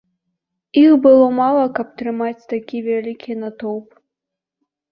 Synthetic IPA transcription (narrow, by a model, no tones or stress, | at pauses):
ixbɨlˠɔmalˠɐkɐp̚t̪ɾɨmat͡sʲt̪akʲivʲalʲikʲinat̪ɔwp